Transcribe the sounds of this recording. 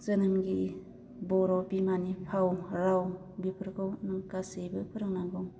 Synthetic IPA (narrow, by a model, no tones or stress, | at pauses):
zɯnɯmɡi | bɔɾɔbimanipʰawɾaw | bipʰɯɾkʰɯwnɯŋkasejbɯpʰɯɾɯŋnaɡɔŋ